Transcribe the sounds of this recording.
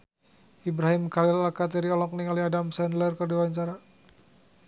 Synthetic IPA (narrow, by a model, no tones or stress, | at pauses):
ibɾaɦimkalilakat̪aɾiɔlɔk̚niŋaliadamsɛndlərkərdiwaɲt͡ʃaɾa